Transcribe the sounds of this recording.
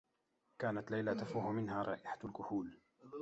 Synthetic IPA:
kaːnat̪lajlat̪afuːhʊmɪnhaːɾˤɑ̰ːʔɪħḁlkʊhuːl

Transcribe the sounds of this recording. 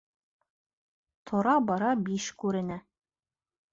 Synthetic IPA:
t̪ʰŏɾɑbɑɾɑbiʃkʉɾɘ̆næ

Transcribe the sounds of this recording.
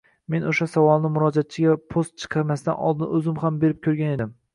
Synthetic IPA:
me̞noʃasavɒlˠnɪmʊɾɒd͡ʒat̪̚t͡ʃʰɪɡʲapʰost̪̚t͡ʃʰɨ̥qʰɑɾmast̪a̰nɒ̰lˠd̪ɪnɵzɪmhambe̞ɾɪp̚kʲʰɵɾɡʲaned̪ɪm

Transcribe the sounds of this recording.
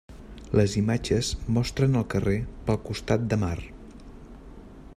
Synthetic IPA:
ləzimad͡ʒəzmɔst̪ɾənəlˠkərepəlˠkust̪at̪̚d̪əmar

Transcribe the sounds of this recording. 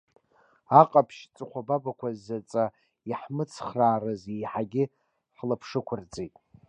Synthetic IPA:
aqʼapʰʃt͡sʼɨχʷababakʷazːat͡sʼa | iħmɨt͡sʰχraːrɨzejħaɡʲɪ | ħlapʰʂɨkʷʰʊrt͡sʼetʼ

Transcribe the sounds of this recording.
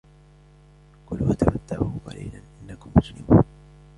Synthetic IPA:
kʊlwat̪abat̪ːabahʊqɑ̰liːlanʔɪnːakʊmːʊslɪmuːn

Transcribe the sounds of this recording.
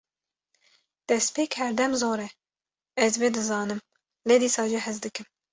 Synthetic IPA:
d̪̥ɛspeːkhɛɾd̪ɛmzoːɾɛ | ɛzbeːd̪ɨzɑːnɨm | leːd̪iːsɑːʒiɦɛzd̪ɨkɨm

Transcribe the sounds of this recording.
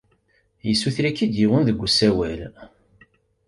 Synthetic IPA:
jəsːuθɾækːid̪jiwənðəɡʷːəsæwæl

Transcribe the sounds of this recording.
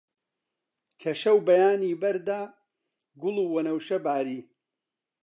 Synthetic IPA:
kʰɐʃɐwbɐjaːniːbɐɾd̪aː | ɡʊluːwɐnɐwʃɐbaːɾiː

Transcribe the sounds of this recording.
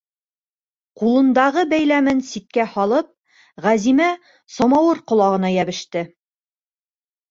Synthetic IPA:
qulˠɤ̆nd̪ɑʁɤbæjlæmɘnsit̪̚kæhɒlˠɤp̚ | ʁæzimæ | sɒmɑwɤɾqŏlˠɑʁɤ̆nɑjæbɘ̆ʃt̪ɘ

